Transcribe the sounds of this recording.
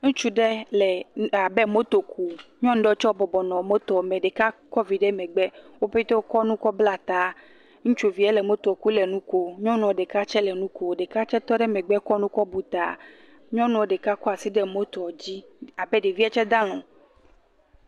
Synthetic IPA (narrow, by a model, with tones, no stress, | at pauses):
ŋũ˦t͡ʃu˦ɖɛ˦lɛ˨a˨bɛ˦mo˦t̪o˨ku˨ɲɔ̃˦n˦ɖɔ˦t͡ʃɔ˦bɔ˨bɔ˨nɔ̃˨mo˦t̪ɔ˨mɛ̃˨ɖe˨ka˦kɔ˦vi˨ɖɛ˦mɛ̃˨ɡ͡bɛ˦wo˦ɸe˦t̪o˦kɔ˦nũ˦kɔ˦bla˦t̪a˨ | ŋũ˦t͡ʃu˨vi˨ɛ˦lɛ˨mo˦t̪ɔ˨ku˦lɛ˨nũ˦ko˦ɲɔ̃˦nũ˨ɔ˨ɖe˨ka˦t͡ʃɛ˦lɛ˨nũ˦ko˨ɖe˨ka˦t͡ʃɛ˦t̪ɔ˦ɖɛ˦mɛ˨ɡ͡bɛ˦kɔ˦nũ˦kɔ˦bu˨t̪a̰˨ | ɲɔ̃˦nũ˨ɖe˨ka˦kɔ˦a˨si˦ɖɛ˦mo˦t̪ɔ˨d͡ʑi˦ | a˨bɛ˦ɖe˨vi˦ɛ˦t͡ʃɛ˦d̪ã˦l̃ɔ̃˨